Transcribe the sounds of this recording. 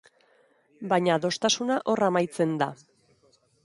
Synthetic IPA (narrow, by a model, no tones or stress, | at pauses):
baɲaðo̞st̪asunaʔo̞ramajt͡se̞nd̪a